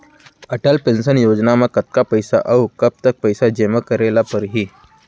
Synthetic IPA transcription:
əʈəlpensənjod͡ʑnaməkət̪̚kapəjsa̰ʔaukəp̚t̪ək̚pəjsad͡ʑeməkəɾelapəɾɦiː

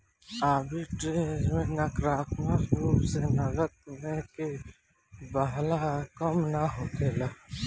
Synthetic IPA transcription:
aːbiʈɾeːd͡ʒmẽnɐkɾaːkʰmabuːsenɐɡət̪̚mẽke | bəɦlakəmnaɦokʰeːla

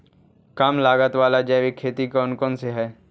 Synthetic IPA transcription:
kamlaːɡət̪ʋaːlad͡ʒɛːʋikʰːeːt̪ikɔːnkɔːnseɦɛː

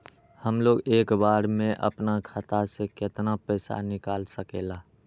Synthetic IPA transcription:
həmloːɡeːkbaːɾmẽʔə̰pnakʰat̪asekɪt̪napəɪsa̰nɪkaːlsəkḛla

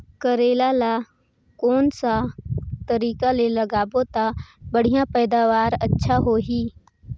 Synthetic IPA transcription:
kəɾeːlala | kɔːnsat̪əɾiːkaleləɡaːbot̪abəɽ̤ijãpɛːd̪aːʋaːɾətːʃʰaɦoɦiː

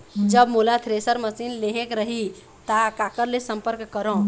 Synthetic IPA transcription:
d͡ʒəbmulat̪ʰɾesəɾməsinleɦekɾəɦi | t̪akakəɾlesəmpəɾkːəɾõ

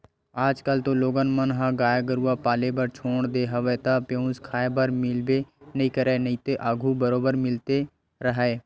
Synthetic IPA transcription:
aːd͡ʒkəlt̪oloːɡənmənɦãɡaːjaɡəɾuapaːlebəɾt͡ʃʰoːɳd̪eːɦɐʋəːt̪apjõũskʰaːebəɾmɪlbenəɦĩkəɾeːnɐĩt̪eʔaɡʱubəɾoːbəɾmɪlt̪e | ɾəɦɛː

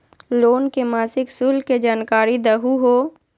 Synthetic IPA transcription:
loːnkemaːsɪksuːlked͡ʒaːnkaːɾid̪əɦuɦoː

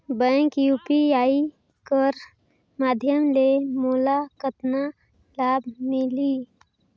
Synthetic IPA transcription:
bə̃kjuːpiai | kəɾ | maːd̪ʱjəmlemolakət̪na | labʱmili

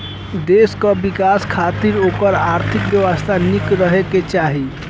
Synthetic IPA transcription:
d̪eskəbikaskʰat̪iɾokəɾaɾt̪ʰikbjəwəst̪ʰanikɾəɦeket͡ʃaɦi

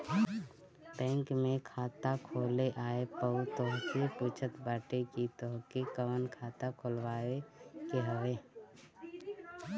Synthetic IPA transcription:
bɛ̃ːŋkmẽkʰaːt̪akʰoːleʔaːepəut̪oɦsepuːt͡ʃʰət̪baːʈekit̪oɦkekəʋənkʰaːt̪akʰoːlwaːekeɦəʋeː

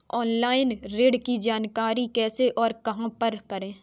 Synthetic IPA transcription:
ɔːnlaːɪnɾeːɖkid͡ʒaːnkaːɾikɛːseʔɔːɾkɐɦãpɐɾkɐɾẽː

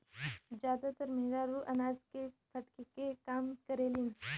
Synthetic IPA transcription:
zjaːd̪at̪əɾmeːɡaɾuʔɐnaːzkepʰɐʈkekekaːmkɐɾeːlin

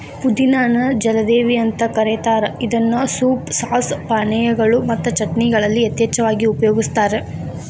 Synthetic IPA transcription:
pud̪inaːnɐd͡ʒɐlɐd̪eːʋiɐnt̪ɐkɐɾet̪aːɾeid̪ɐnːusuːpsaːspaːɳɛjɐɡɐɭumɐt̪ːɐt͡ʃɐʈniɡɐɭɐlːiɐt̪jɐːt͡ʃɐʋaːɡiupɐjoːɡist̪aːɾe

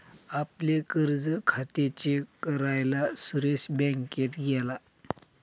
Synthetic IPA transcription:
aplekəɾd͡zəkʰat̪et͡ɕekəɾajlasuɾeɕbɛ̃ŋket̪ɡɛla

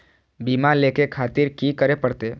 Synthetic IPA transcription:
biːmaleːkekʰaːt̪ɪɾkiːkəɾepəɽt̪e

